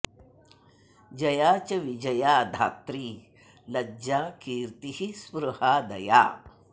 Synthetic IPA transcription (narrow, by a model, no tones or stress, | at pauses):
d͡ʒɐjaːt͡ʃɐʋid͡ʒɐjaːd̪ʱa̰ːt̪ɾiː | lɐd͡ʒaːkiːɾt̪ihispɾuhaːd̪ɐja̰ː